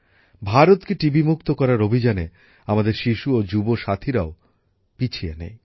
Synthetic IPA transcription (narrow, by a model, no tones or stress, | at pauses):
bʱaɾot̪keʈibimukt̪okɔɾaɾobʱid͡ʑane | amad̪eɾʃiʃuod͡ʑuboʃat̪ʰiɾao | pit͡ɕʰienḛj